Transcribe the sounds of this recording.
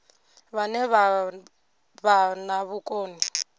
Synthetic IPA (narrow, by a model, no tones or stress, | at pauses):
βanɛβa | βanaβukʼoːni